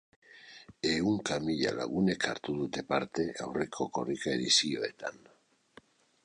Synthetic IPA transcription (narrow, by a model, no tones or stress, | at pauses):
euŋkamiʎa̰la̰ɣune̞kʰa̰ɾt̪uðut̪e̞paɾt̪e̞ʔa̰wrekʰo̞ko̞rikaeðisioe̞t̪an